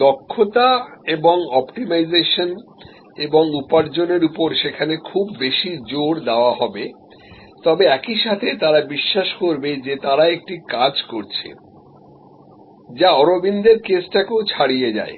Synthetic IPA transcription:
d̪ɔkʰːot̪aeboŋɔpʈimajd͡ʑeʃon | eboŋupaɾd͡ʑoneɾupoɾʃekʰanekʰubːeʃid͡ʑoɽd̪eoaɦɔbe | t̪ɔbeɛkiʃat̪ʰet̪aɾabiʃːaʃkoɾbed͡ʑet̪aɾaek̚ʈikad͡ʑkoɾt͡ɕʰḛ | d͡ʑaɔɾobind̪eɾkesʈakewt͡ɕʰaɽijed͡ʑa̰e

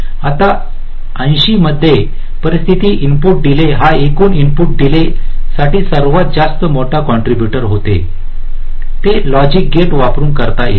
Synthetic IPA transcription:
at̪a | ə̃j̃ɕiməd̪ʱːje | pəɾist̪ʰit̪iːʔimpuːʈ̚d̪ileɦaekuːnimpuːʈ̚d̪ilesaʈiːsəɾʋat̪̚d͡ʑast̪əmoʈʰakɔɳʈɾibjuʈəɾɦot̪ḛ | t̪elɔd͡ʑik̚ɡeʈʋapɾuːnkəɾt̪ajḛ

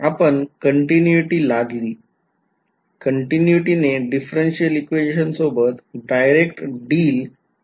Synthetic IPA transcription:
apəɳkəɳʈinjuiʈiːlaɡliː | kəɳʈinjuiʈineɖifɾenɕijəlikʋed͡ʑiɕənsobət̪ɖajɾekʈɖiːl

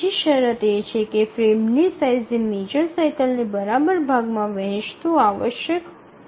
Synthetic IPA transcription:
iʃəɾət̪et͡ʃʰekefɾemnisajzimed͡ʒəɾsajkəlnibəɾabəɾbʱaɡmãʋə̃ɦt͡ʃt̪ũaʋəʃjək

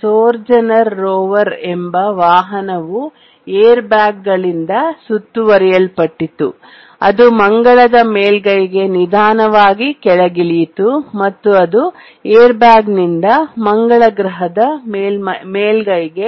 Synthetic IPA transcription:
soːɾd͡ʒɐnɐɾːoːʋɐɾɛmbɐʋaːɦɐnɐʋu | eːɾbjaːɡ̚ɡɐɭind̪ɐsut̪ːuʋɐɾɛjɐlpɐʈːit̪ːṵ | ɐd̪umɐŋɡɐɭɐd̪ɐmeːlɡɐjɡe̞nid̪ʱaːnɐʋaːɡikɛɭɐɡilit̪umɐt̪ːuɐd̪u | eːɾbjaːɡnind̪ɐmɐŋɡɐɭɐɡɾɐɦɐd̪ɐmeːlmɐmeːlɡɐjɡe̞

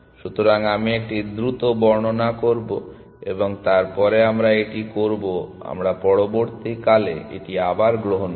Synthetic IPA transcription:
ʃut̪oɾaŋamiek̚ʈid̪ɾut̪obɔɾɳonakoɾbo | eboŋt̪aɾpɔɾeamɾaeʈikoɾboa̰mɾapɔɽoboɾt̪ikalḛḛʈiabaɾɡɾoɦon

